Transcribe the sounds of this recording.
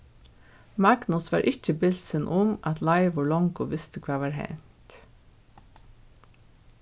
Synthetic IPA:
mɑɡnʊsʋɑ̰ːɾʔɪçəbɪlsənʔʊmʔɑt̪ʰlɑɪʋʊɭɔŋɡʊʋɪst̪əkʰʋɑːʋɑːɾhæ̰ɪnt̪

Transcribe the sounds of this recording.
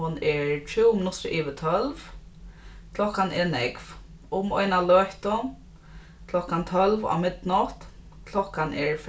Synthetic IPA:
hʊnɛɹtʰɾɪwmɪnʊt̪ɾʊʔiːʋɪt̪ʰœlv | kʰlɔkanɛnɛkv | ʊmɔjnalœːht̪ʊ | kʰlɔhkant̪ʰœlva̰wmɪt̪nʊht̪ | kʰlɔkanʔɛɹf

